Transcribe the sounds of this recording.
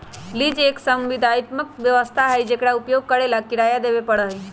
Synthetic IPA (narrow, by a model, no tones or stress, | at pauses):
lid͡ʒeksəmʋid̪ʱajt̪məkʋjəʋəst̪ʰaɦəjd͡ʒekɽaupjoɡ̚kəɾelakiɽajad̪ebepəɽəɦe